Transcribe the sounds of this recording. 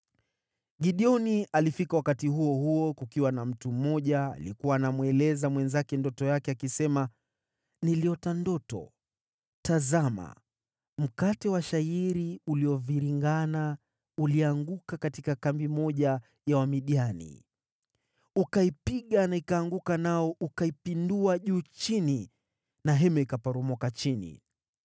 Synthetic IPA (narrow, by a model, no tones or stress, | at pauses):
ɠiɗiɔnialifikawakatiɦuɔhuɔkukiwanam̩tum̩ːɔʄa̰ːlikuwaːnamwɛlɛzamwɛnzakɛndɔtɔjakɛakisɛma | niliɔtandɔtɔ̰ | tazama̰ | m̩katɛwaʃaiɾiuliɔviɾiŋɡana | uliaŋɡukakatikakambimɔʄa | jawamiɗianḭ | ukaipiɠanaikaːŋɡukanaɔʔukaipinduaʄuːt͡ʃini | naɦɛmɛikapaɾɔmɔkat͡ʃinḭ